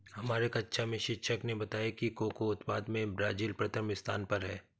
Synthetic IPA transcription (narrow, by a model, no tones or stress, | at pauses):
hɐmaːɾekɐtːʃʰamẽʃɪkʃəknebɐt̪aːjakikoːkoʊt̪paːd̪mẽbɾaːd͡ʒiːlpɾɐt̪ʰəmɪst̪ʰaːnpɐɾɦɛː